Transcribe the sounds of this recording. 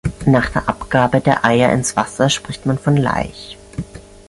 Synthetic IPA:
naːχd̥eːɐʔa̰pɡ̥aːbədeːɐʔaɪɐʔɪ̰nsv̥a̰sɐʃpʁ̥ɪçtmanfɔnla̰ɪç

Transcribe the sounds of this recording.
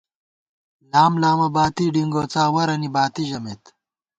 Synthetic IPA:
laːmlaːmɐbaːt̪iɖiŋɡoːt͡saːwɐɾɐnibaːt̪iʑɐmet̪

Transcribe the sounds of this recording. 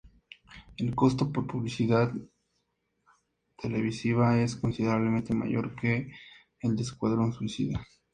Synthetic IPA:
e̞lko̞st̪o̞po̞ɾpuβlisiðað | t̪e̞le̞β̞isiβae̞sko̞nsiðe̞ɾaβlemẽ̞nt̪e̞ma̰ʝo̞̰ɾke̞ː | ld̪e̞skwaðɾo̞nswisḭðe

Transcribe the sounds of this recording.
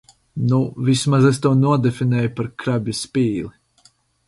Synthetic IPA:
nuvismazɛst̪uːnuɔd̪ɛfinɛːjupaɾkɾabʲjispʲiːlˠi

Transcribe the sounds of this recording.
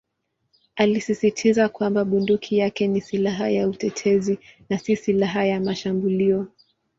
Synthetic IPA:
alisisitʰizakwambaɓundukʰijakɛnisilaɦajautɛtʰɛzinasisilaɦajamaʃambuliɔ

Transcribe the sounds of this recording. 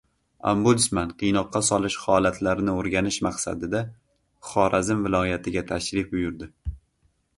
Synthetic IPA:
a̰mbulɪsmanqʰɨjnɒqʰːɑsɒlˠɪʃχɒlat̪ʰlaɾɪnɪoɾɡʲanɪʃmaqsa̰d̪ɪd̪a | χɒɾʔazɪmvɪlˠɒjat̪ʰɪɡʲat̪ʰaʃɾɪfbʊjʊɾd̪ɪ

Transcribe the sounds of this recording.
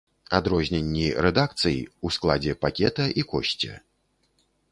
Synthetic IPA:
ad̪ɾɔzʲnʲɛnʲːiɾɛd̪ak̚t̪sɨjḭusklˠad͡zʲɛpakʲɛt̪ɐʔikɔɕʲt͡sʲɛ̰

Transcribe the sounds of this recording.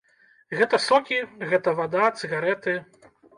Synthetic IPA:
ɣɛt̪ɐsɔkʲiɣɛt̪ɐvad̪at̪sɨɣaɾɛt̪ɨ

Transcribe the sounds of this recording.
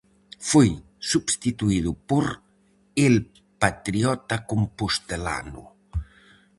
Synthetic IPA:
foj | subst̪it̪uiðupoɾ | el | pat̪ɾiɔt̪akumpust̪ela̰nṵ

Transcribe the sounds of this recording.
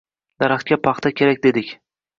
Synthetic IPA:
d̪̥aɾaχt̪̚kʲapʰɑχt̪ʰakʲʰe̞ɾakʲd̪e̞d̪ɪkʲ

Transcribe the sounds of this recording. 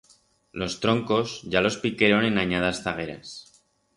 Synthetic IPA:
lo̞st̪ɾo̞ŋko̞zʝalo̞spike̞ɾo̞nẽ̞naɲaðasθaɣ̞e̞ɾa̰s

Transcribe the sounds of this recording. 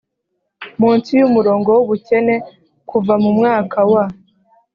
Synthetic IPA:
muːnsijumuɾo̞ːŋɡo̞wuβuce̞ne̞ | kʰuvamumŋaːkʰawa

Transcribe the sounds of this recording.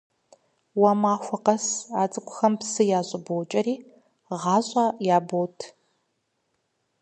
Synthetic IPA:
wamaːxʷɐqɐsaːt͡sʼɨkʷʼʊxɐmpsɨjaːɕʼɪbowt͡ʃʼɐɾiː | ʁɑːɕʼaːjaːbowtʰ

